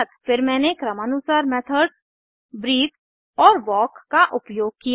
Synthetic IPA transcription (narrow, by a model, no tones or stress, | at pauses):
ət̪fɪɾmɛ̃ːnekɾəmənʊsaːɾmɛːt̪ʰəɖs | bɾiːk̪ | ɔːɾʋɔːkːaʔʊpjoːɡ̚kij